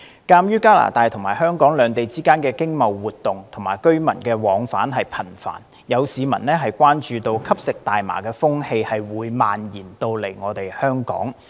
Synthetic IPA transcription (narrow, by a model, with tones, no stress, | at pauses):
kaː˧mjyː˥kaː˥la̰ː˨˩t̪aː˨˧jt̪ʰʊ˨˩ŋmaː˨˩hœː˥ŋkɔː˨˥ŋlœː˨˧ŋt̪e˨jt͡siː˥kaː˥nkɛː˧kɪ˥ŋmɐ˨wːuː˨t̪̚ːʊ˨ŋt̪ʰʊ˨˩ŋmaː˨˩jkɵ˥ɥmɐ̰˨˩nkɛː˧wɔː˨˧ŋfaː˨˥nɦɐ˨jpʰɐ˨˩nfa̰ː˨˩n | jɐ˨˧wsiː˨˧mɐ̰˨˩nlɛː˥ɦɐ˨jkʷwaː˥nt͡ʃyː˧t̪o˧wkʰɐ˥p̚sɪ˨k̚t̪aː˨jma̰ː˨˩kɛː˧fʊ˥ŋhe˧jhɐ˨jwuː˨˧˥jmaː˨njiː˨˩nt̪o˧wle˨˩jŋɔː˨˧t̪e˨jhœː˥ŋkɔ̰ː˨˥ŋ